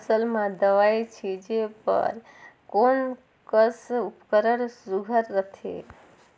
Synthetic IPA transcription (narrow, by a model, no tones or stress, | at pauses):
əsəlmad̪əʋajt͡ʃʰid͡ʒepə̰ɾ | kon | kəsupkəɾəɾsuɡʱəɾːət̪ʰḛ